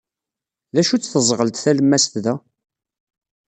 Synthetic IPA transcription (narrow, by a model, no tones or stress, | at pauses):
læʃut͡sːθəzˤʁəlt̪θæləmːæst̪ðæ